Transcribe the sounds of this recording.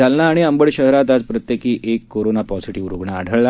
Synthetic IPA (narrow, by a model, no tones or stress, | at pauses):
alnaːɽ̃iəmbəɽɕəɦɾat̪ad͡zpɾət̪jekiːʔekːoɾonapɔsiʈiʋɾoɡɳa̰ːɽʱəɭla